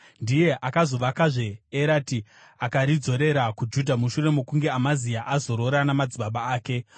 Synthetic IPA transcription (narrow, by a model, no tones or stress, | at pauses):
ndije̞ʔakazo̞ʋakaʐe̞eɾaːti | akaɾid͡zo̞ɾe̞ɾakud͡ʒudʱamuʃure̞mokuŋɡe̞amazijaʔazo̞ɾo̞ɾanamad͡ziɓaɓaaːke̞